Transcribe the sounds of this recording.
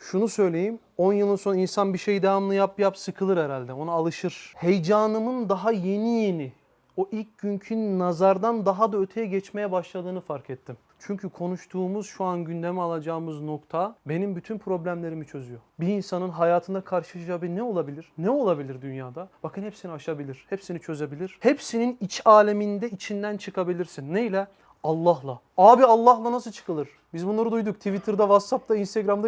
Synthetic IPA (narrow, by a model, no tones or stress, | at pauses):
ʃunusø̞jlʲe̞jim | o̞njɯlˠɯnso̞nainsanbiʃejd̪evamlˠɯjapjapsɯkʰɯlˠɯɾɛɾalʲd̪ɛo̞naːlˠɯʃɯɾ̥hejd͡ʒaːnɯmɯnd̪aɦaje̞nije̞ni | o̞ʔilʲcɟyɲcʰynːazaɾd̪and̪aɦad̪aøt̪ʰe̞jɛɟɛt͡ʃme̞jɛbaʃlˠad̪ɯːnɯfaɾkʰɛt̪ʰːim | t͡ʃʰyɲcʰykʰo̞nuʃt̪ʰuːmuz̥ʃuanɟynd̪e̞mɛalˠad͡ʒaːɯmɯzno̞kt̪ʰabe̞nimbyt̪ʰynpʰɾo̞blʲæmlʲe̞ɾimit͡ʃʰø̞zyjo̞biːnsanɯnɦajaːt̪ʰɯnd̪akʰaɾʃɯlaʃd͡ʒabinɛo̞lˠabilʲiɾ̥nɛo̞lˠabilʲiɾd̪ynjaːd̪ab̥akʰɯnhɛpsiniaʃabilʲiɾ̥hɛpsinit͡ʃʰø̞zebilʲiɾ̥hepsininit͡ʃʰaːlʲemind̪ɛit͡ʃʰind̪ænt͡ʃʰɯkʰabilʲiɾsinːejlʲɛ | alˠːaɦlˠaaːbialˠːahlˠanasɯlˠt͡ʃʰɯ̥kʰɯlˠɯɾ̥ | bizbunlˠaɾɯd̪ujd̪uk̚t̪ʰivit̪ʰiɾd̪ɛvat̪sap̚t̪ʰainst̪ʰeɡɾamd̪